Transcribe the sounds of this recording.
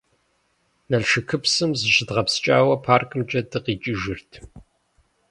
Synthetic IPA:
nɐɮʃɨkʰɨpsɨmzɨʃɪdʁɐpst͡ʃʼaːwɐpʰaːrkʼɨmt͡ʃʼɐdɨqiːt͡ʃʼiʒɪrtʰ

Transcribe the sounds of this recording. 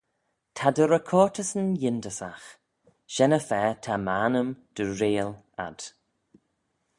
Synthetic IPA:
tʰadəɾəkʰɔːɹtʰəsənjɪndəsax | ʃɛnəfɛːtʰamaːnəmd̥əɹeːl | a̰d̥

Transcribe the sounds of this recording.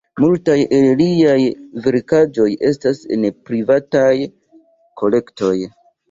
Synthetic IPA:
multajelliajveɾkad͡ʒo̞je̞stase̞̰npɾivataj | kʰo̞le̞kto̞j

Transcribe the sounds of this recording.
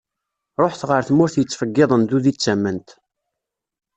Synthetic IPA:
ɾˤoħθʁəɾθmʊɾθjət͡sːfəɡːɪðˤənd̪uðit͡sːæmːənt̪

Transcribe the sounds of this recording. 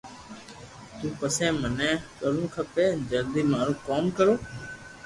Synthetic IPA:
t̪ũːpəsẽːmənɛ̃ːkəlũːkʰəpeːd͡ʒəld̪iːmaːɾũːkoːmkəɾoː

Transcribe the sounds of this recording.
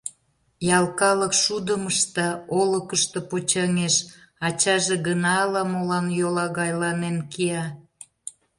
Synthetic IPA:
jɑlkɑləkʃud̪əməʃt̪ɑoləkəʃt̪əpot͡ɕɑŋeʃɑt͡ɕɑʒeɣənɑːlɑmolɑnjolɑɣɑjlɑnenkiɑ

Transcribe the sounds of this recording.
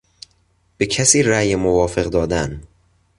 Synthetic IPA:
b̥ecʰæsiːɾæjemovɒːfe̞ɣd̪ɒːd̪æn

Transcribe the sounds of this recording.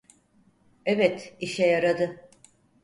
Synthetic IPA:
ɛvɛt̪iʃɛjaɾad̪ɯ

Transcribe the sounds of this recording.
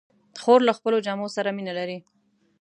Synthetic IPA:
xoɾlaxpəlod͡ʒamosaɾaminalaɾi

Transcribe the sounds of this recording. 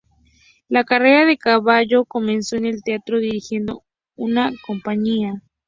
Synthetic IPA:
lakare̞ɾaðe̞kaβaʝo̞ko̞mẽ̞nso̞ene̞lt̪eat̪ɾo̞ðiɾixje̞nd̪o̞̰ | unako̞mpaɲia

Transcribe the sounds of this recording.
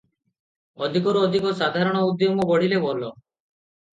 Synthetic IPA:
ɔd̪ʱikɔɾuɔd̪ʱikɔsad̪ʱaɾɔɽ̃ɔud̪jɔmɔbɔɽ̤ilebɔlɔ

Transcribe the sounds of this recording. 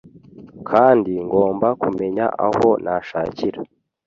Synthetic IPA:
kʰaːndiŋɡo̞ːmbakume̞ɲa̰ʔa̰ho̞nʔaʃaːciɾa

